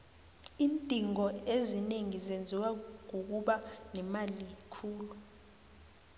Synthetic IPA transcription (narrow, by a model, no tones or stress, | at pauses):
iːntʼiŋɔezineŋizend͡zʱiwaŋ̬uk̬uɓanɛmalikʰuːlu